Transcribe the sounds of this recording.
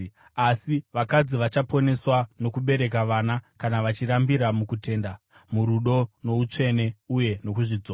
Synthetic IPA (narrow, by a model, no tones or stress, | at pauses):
asiʋakad͡ziʋat͡ʃapo̞ne̞swano̞kuɓe̞ɾe̞k̬aʋanakanaʋat͡ʃiɾambiɾamukutʰe̞ːnda | muɾuɗo̞no̞ut͡ʂe̞ne̞uje̞no̞kuʐid͡zoːa